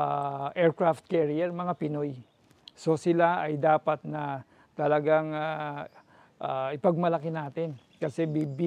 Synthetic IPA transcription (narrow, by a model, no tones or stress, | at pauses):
aʔɛɹkɹaft̪̚kɛɹiɛɹmɐŋapɪnoj | so̞sɪlaɐjd̪aːpɐt̪̚nɐ | t̪ɐlɐɡaŋa | ʔaʔɪpɐɡ̚mɐlɐkɪnaːt̪ɪn | kɐsɛbibi